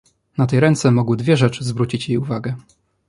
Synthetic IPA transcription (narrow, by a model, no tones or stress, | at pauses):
nat̪ɛjɾɛnt̪sɛmɔɡwɘd̪vʲjɛʐɛt͡ʂɘzvɾut͡ɕit͡ɕjejuvaɡɛ